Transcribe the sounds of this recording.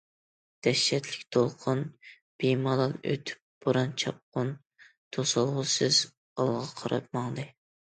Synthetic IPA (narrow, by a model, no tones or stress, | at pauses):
d̪̥ɛʃːɛt̪lɪkʲt̪ʰolˠqʰʊn | b̥ijmɑlˠɑnø̰t̪ʰy̥p̚b̥oɾɑnt͡ʃʰɑp̚qʊn | t̪ʰosɑlˠʁʊsɨz̥ | ɑlˠʁɑqʰɑɾɑ̰p̚mɑŋd̪ɨ